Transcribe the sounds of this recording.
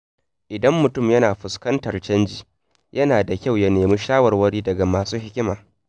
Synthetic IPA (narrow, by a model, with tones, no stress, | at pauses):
ʔɪ˨dɐ˦mːʊ˨tʊ˦˨mjɐ˦naː˨ɸʊ˨skɐ˦ntɐ˨rt͡ʃɐ˦nd͡ʒiː˨ | jʔɐ˦naː˨da˨kʲa˦˨wja˦neː˨muː˦ʃaː˦wɐ˨rwɐ˦ɽiː˦dɐ˨ɡa˨maː˨suː˦hɪ˦kʲɪ˦maː˨